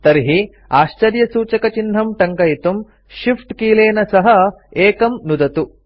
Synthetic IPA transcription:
t̪ɐɾɦi | aːʃt͡ʃɐɾjɐsuːt͡ʃɐkɐt͡ʃinɦɐmʈɐŋkɐjit̪um | ʃifʈkiːleːnɐsɐɦɐeːkɐmnud̪ɐt̪u

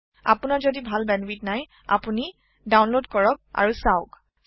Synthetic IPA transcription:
a̰punaɹzodibʱalbɛnbitnaj | a̰puni | dawnlodkɔɹɔk̚a̰ɹusaʊk

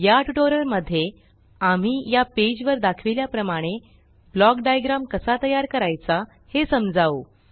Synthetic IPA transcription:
jaʈuʈoɾəɾməd̪ʱːje | am̤iːjaped͡ʑʋəɾd̪akʰʋiljapɾəmaɽ̃e | blɔkɖajɡɾamkəsat̪əjaɾkəɾajt͡sa | hesəmd͡zaʋo

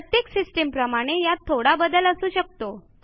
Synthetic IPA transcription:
ət̪jeksisʈempɾəmaɽ̃ejat̪ʰːoɽabəd̪ələsuːɕək̚t̪o

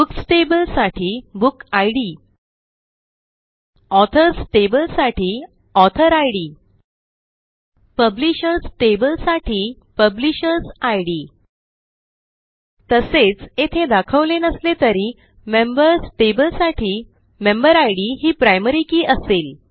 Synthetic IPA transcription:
buksʈebəlsaʈʰiːbukajɽi | ɔt̪ʰəɾsʈebəlsaʈiː | ɔt̪ʰəɾajɽiː | pəbliɕəɾsʈebəlsaʈʰiː | pəbliɕəɾsajɽiː | t̪əset͡set̪ʰed̪akʰəʋlenəslet̪əɾi | membəɾsʈebəlsaʈʰiː | membəɾajɽiɦiːpɾajməɾikiːʔəsel

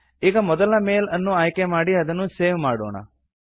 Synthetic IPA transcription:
eːkamɔd̪əlaːmeːlənːũaːjkemaːɽiɦɐd̪ənũːseːʋmaːɽo̰ːɳa̰

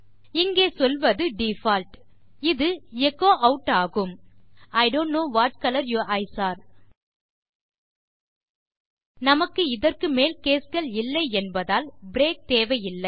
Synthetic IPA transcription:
ɪŋɡeːsɔlʋɐðɯɖifaːlʈ | ɪðɯɛkːoːʔɐʊʈːaːɣɯmɐɪɖoːnʈnoːʋaːʈ̚kɐlɐɾjuːʔɐɪsaːɾ | nɐmɐkːɯɪðɐrkɯmeːlkeːsɣɐɭɪlːɐɪɛnbɐðaːlbɪɾeːk̚t̪eːʋɐjɪlːɐɪ

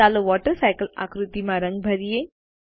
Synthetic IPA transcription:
aːloʋɔːʈəɾsaːɪkəla̰ːkɾut̪imãɾɐ̃ŋɡ̚bʱɐɾije

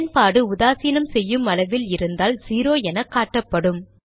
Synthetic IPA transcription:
npaːɽɯʊðaːsiːnɐmsɛjːɯmɐlɐʋɪlɪɾɯnd̪aːlsiːɾoːɛnɐkːaːʈːɐpːɐɽɯm

